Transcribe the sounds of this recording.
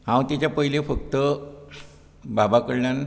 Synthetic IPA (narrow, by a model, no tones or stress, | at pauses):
ɦãwt̪it͡ɕapəɦilefək̚t̪ə | babakəɽɳjan